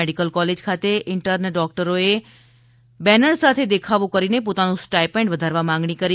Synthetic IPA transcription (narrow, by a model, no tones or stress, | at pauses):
eɽikəlkɔled͡ʒkʰat̪eʔɪɳʈəɾnəɖɔk̚ʈəɾoe | bɛnəɳsat̪ʰed̪ekʰaʋũkəɾinepot̪anũsʈajpẽɳɖʋəd̪ʱaɾʋamãŋɡɳikəɾi